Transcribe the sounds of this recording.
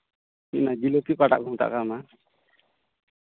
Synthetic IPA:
iʔnad͡ʒilokikaʈa̰ʔɡʱuŋt̪a̰ʔkama

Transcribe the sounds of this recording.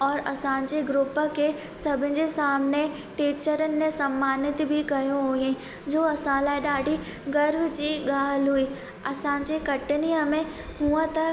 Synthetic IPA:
ɔːɾɐsãːɲt͡ʃeɡɾʊpake | sɐbʱɪ̃d͡ʒesaːmne | ʈiːt͡ʃəɾənːẽsɐmːaːnɪt̪bʱikɐjõɦoːjẽ | d͡ʒoːɐsãːlaɖaːɖi | ɡɐɾbd͡ʒiɡaːɦəlɦuiː | ɐsãːɲt͡ʃekɐʈnijãmẽ | ɦuãt̪ɐ

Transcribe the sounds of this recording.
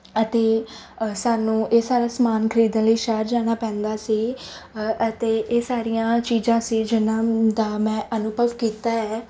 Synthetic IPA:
ət̪eːsaːnũːʔeːsaːɾaːsəmaːnkʰəɾiːd̪ãləiːʃaːɾd͡ʒaːɽ̃aːpɛ̃ːnd̪aːsiː | ət̪eːʔeːsaːɾijãːt͡ʃiːzãːsiːd͡ʒɪnãːd̪aːmɛ̃ːʔənʊbʱəʋkiːt̪aːɛː

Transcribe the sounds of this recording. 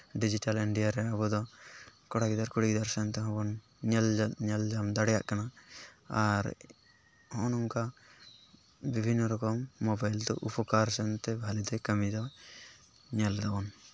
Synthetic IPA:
ɖid͡ʒiʈaliɳɖijaɾɛabɔd̪ɔkɔɽaɡid̪aɾkuɽiɡd̪aɾsɛnt̪ɛɦɔ̃bɔn | ɲɛlɲɛld͡ʒamd̪aɽɛja̰ʔkanaaɾ | hɔ̃nɔŋka | bibʱinːɔɾɔkɔmːɔbajld̪ɔ̰ʔupɔkaɾsɛnt̪ɛbʱalid̪ɔjkəmid̪ɔ | ɲɛld̪abɔn

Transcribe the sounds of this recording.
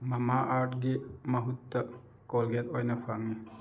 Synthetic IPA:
mɐmaʔaːʈɡemɐɦut̪ːɐ | kolɡet̪ojnɐfaŋi

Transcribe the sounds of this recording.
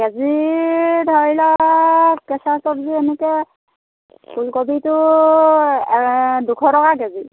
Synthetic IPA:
ɡɛzi | dʱɔɹilɔ | kɛsatɔbziɛnɛkɛ | kulkɔbitʊ | ɛdukʰɔtɔkaɡɛzi

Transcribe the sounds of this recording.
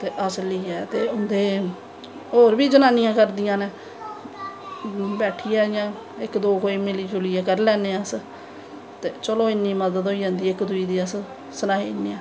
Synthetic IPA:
t̪eːʔəsliːɛːt̪eːʊnd̪eː | oːɾbiːd͡ʒənaːnɪjãːkəɾd̪ɪjãːneː | bɛːʈʰiːɛːjãː | ɪkd̪oːkoːiːmɪliːt͡ʃʊliːaːkəɾlɛːneːəs | t̪eːt͡ʃəloːɪnːiːməd̪əd̪oːiːd͡ʒãːnd̪iːɪkd̪ʊiːd̪iːəs | sənaːɦiːɪnːiːɛ̃ː

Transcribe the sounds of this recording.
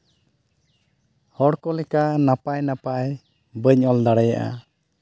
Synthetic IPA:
hɔɽkɔlɛkanapajnapaj | bəɲɔld̪aɽɛja̰ʔa̰

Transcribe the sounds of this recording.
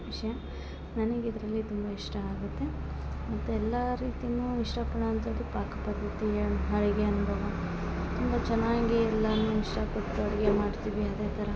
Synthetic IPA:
ʋiʂɐjɐ | nɐnɐɡid̪ɐɾɐlːit̪umbɐiʂʈɐaːɡut̪ːe̞ | mɐt̪ːuɛlːɐɾiːt̪inuːiʂʈɐpɐɽɐːnt̪ʰɐːɽipaːkɐpɐd̪ʱːɐt̪iɐɦɐɭiɡeɐnubʱɐʋɐ | t̪umbɐt͡ʃɛnːaːɡiɛlːɐnuːiʂʈɐkoʈːɐɽɐɡemaːɽt̪iʋiɐd̪e̞ːt̪ʰɐɾɐ

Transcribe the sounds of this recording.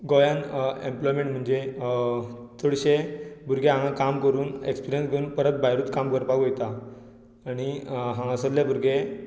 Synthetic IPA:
ɡojanemplɔjmẽɳʈm̤əɳd͡ʑe | t͡səɽɕebuɾɡeãŋãkamkəɾuːnekspiɾijənsɡeuːnpəɾət̪̚bʱajɾuːt̪kamkəɾpaɡojt̪aː | ɽ̃iɦãŋasəlljabʱuɾɡe

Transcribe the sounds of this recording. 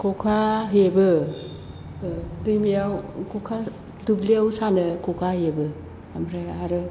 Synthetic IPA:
kʰɔkʰaɦebɯ | dɯjmijawkʰɔkʰa | dubliawsanɯkʰɔkʰahebɯ | amɾajaɾɯ

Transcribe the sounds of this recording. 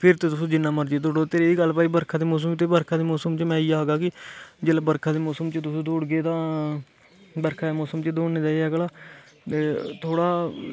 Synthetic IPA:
pʰɪɾt̪eːt̪ʊsũːd͡ʒɪnːãːməɾd͡ʒeːd̪oːɽoːt̪eːɾeːiːɡəlpaːiːbəɾkʰãːd̪eːmɔːs̬əmt̪eːbəɾkʰaːd̪eːmoːsəmt͡ʃmɛ̃ːiːaːɡaːkɪd͡ʒeːlaːbəɾkʰãːd̪eːmɔːsəmt͡ʃət̪ʊsũːd̪oːɽɡeːt̪ãː | bəɾkʰaːd̪eːmɔːsəmt͡ʃəd̪oːɳneːd̪aːiɛːɡlaː | t̪eːt̪ʰoːɽaː

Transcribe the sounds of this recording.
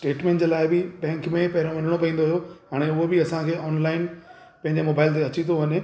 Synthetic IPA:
sʈeːʈmẽːʈd͡ʑeːlaːɪbɪbɛ̃ːŋkmẽpɐɦɪɾõʋɐn̤əɽ̃opɐĩːnd̪oɦijoɦaːɽ̃eʊɦobɪɐsãkʰeːɔːnlaːɪn | pɐ̃ɦɪ̃ɲd͡ʑemoːbaːɪlt̪eɐt͡ɕit̪ʰoʋɐɲẽ

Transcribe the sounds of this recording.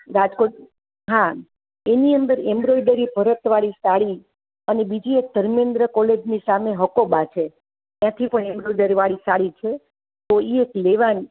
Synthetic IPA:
ɾad͡ʒko | ɦa | eniənd̪əɾembɾojɖəɾibʱəɾət̪ʋaɭisaɭi | ənebid͡ʒiek̚d̪ʱəɾmẽnd̪ɾəkɔled͡ʒnisameɦəkobat͡ʃʰe | t̪jãt̪ʰipəɳembɾoiɖəɾiʋaɭisaɭit͡ʃʰe | t̪oiekleʋan

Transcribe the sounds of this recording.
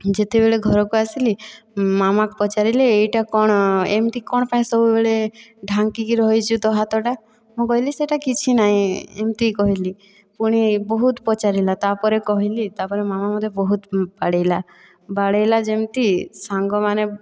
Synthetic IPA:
d͡ʒet̪ebeɭeɡʱɔɾɔkuasili | mamakpɔt͡ʃaɾileejʈakɔɽ̃emt̪ikɔɽ̃paĩsɔbubeɭeɖʱaŋkikiɾɔɦjt͡ʃʰud̪ɔɦat̪ɔʈa | mũkɔɦiliseʈakit͡ʃʰinaɦĩḛmt̪ikɔɦili | puɽ̃ibɔɦut̪pɔt͡ʃaɾilat̪apɔɾekɔɦilit̪apɔɾemamamɔd̪ʱjɔbɔɦut̪baɽejla | baɽejlad͡ʒemt̪isaŋɡɔmane

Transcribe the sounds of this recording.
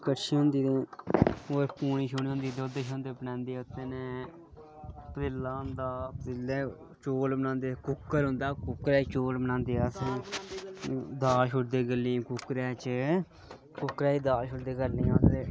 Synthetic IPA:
kəʈʃʰiːɦʊ̃nd̪iːd̪ẽː | oːɾpuːɳiːʃoːniːɦʊ̃nd̪iːd̪oːd̪eʃõːnd̪eːpənãːnd̪iːʊt̪ːeːnẽː | pəɾɪlːaːʊ̃nd̪aːpɾɪlːɛː | t͡ʃoːlbənãːnd̪eːkʊkːəɾɦʊ̃nd̪aːkʊkːɾɛːt͡ʃoːlbənãːnd̪eːaːsẽː | d̪aːʃʊʈd̪eːɡəlĩːkʊkɾɛːt͡ʃ | kʊkɾɛːiːd̪aːʃʊʈd̪eːɡəɾneːãːsɾeː

